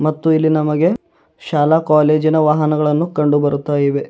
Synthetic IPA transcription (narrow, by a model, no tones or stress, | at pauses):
mɐt̪ːuilːinɐmɐɡe̞ | ʃaːlakaːle̞ːd͡ʒinɐʋaːɦɐnɐɡɐɭɐnːukɐɳɖubɐɾut̪ːaːjiʋe̞